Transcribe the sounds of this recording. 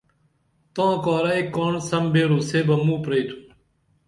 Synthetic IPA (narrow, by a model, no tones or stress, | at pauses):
t̪ãːkaːɾaːiːkoːɳsəmbeːɾuːseːbəmũːpɾeːʈ̪ʰu̥ː